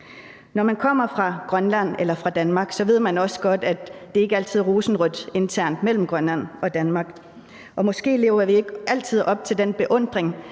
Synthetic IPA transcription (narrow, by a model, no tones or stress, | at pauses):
nɒmænkʰɒ̽m̰ɐfʁɑ̈ɡ̥ʁɶnlæn̰elɐfʁɑ̈d̥ænmɑ̈ːɡ̥sɒ̽ʋe̝ð̞̰ˠmænɒ̽sə̥ɡ̥ɒ̽d̥æd̥e̝æɐe̝ɡ̥əæl̰t͡sʰið̞̰ˠʁoːsn̩ʁɔd̥e̝nt͡sʰæɐ̰nd̥mel̰m̩ɡ̥ʁɶnlæn̰ɒ̽d̥ænmɑ̈ːɡ̥ | ʔɒ̽mɒ̽sɡ̥e̝̰ːle̝̰ːʊɐʋie̝ɡ̥ʔæl̰t͡sʰið̰ˠɒ̽b̥̚t͡sʰe̝ld̥enb̥e̝ʔɔ̽n̰d̥ʁeŋ